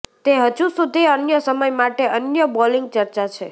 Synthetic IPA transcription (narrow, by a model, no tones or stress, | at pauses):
t̪eɦəd͡ʒusud̪ʱiənjəsəməjmaʈeʔənjəbɔliŋɡ̚t͡ʃəɾt͡ʃat͡ʃʰe